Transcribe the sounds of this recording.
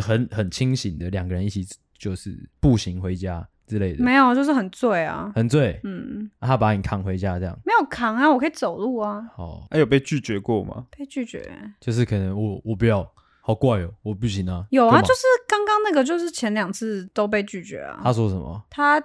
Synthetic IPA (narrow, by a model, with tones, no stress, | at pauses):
xə˨˦nxə˨˩nt͡ɕʰi˦ŋɕi˨˩nd̪ə˦ljɑ˨˩ŋɡə˦ɻə˧˦ni˥˩t͡ɕʰi˨˩ | t͡ɕjo˥˧ʊʂɻ̩˥˩pu˥˨ɕi˧˦ŋxwe˧˥ɪt͡ɕja˦ | ʈ͡ʂɻ̩˥le˥˩ɪd̪m˨e˨˧˥ɪjo˨˩ʊt͡ɕjo˥˧ʊʂ̬̩˥˩xə˨˩nt͡swe˥˩ɪa̰˩hə˨˩nt͡swe˥˩ɪn̩˥˩t̪ʰa˥pa˧˦ni˨˩kʰɑ˨˩ŋxwe˧˦ɪt͡ɕja˦ʈ͡ʂɤ˧jɑ̰˥˩ŋme˧˥ɪjo˨˩ʊkʰɑ˨˥ŋa˧wɔ˨kʰə˥i˨˩t͡so˨˩ʊlu˥˩ɐ˩hɑ˨˩˦a˥jo˨˩p̬e˥˧ɪt͡ɕy˥˨˩t͡ɕɥɛ˧˥kwɔ̰˥˨ma̰˨pe˥˧ɪt͡ɕy˥˩t͡ɕɥɛ̰˧˥t͡ɕjo˥˧ʂ̬̩˥˩kʰə˨˩nə˧˦ŋwɔ˨˩wɔ˨˩pu˨˥jɑ˥˧ʊ | hɑ˨˩ʊkwa˥˩ɪjo˨˩˦wɔ˨˩pu˥˩ɕi˧˥na˨˦jo˨ʊa˨˦jo˥˧ʊʂɻ̩˥˩kɑ˥ŋkɑ˥ŋna˥˩ɡə˨˩t͡ɕjo˥˧ʊʂɻ̩˥˩t͡ɕʰjɛ˧˥nljɑ˨˩ŋt͡sʰɹ̩˥˧t̪o˥ʊp̬e˥˧ɪt͡ɕy˥˩t͡ɕɥɛ̰˧˥ɐ̰˨t̪ʰa˦ʂwɔ˥ʂə˨˩mə̰˨˩t̪ʰa˥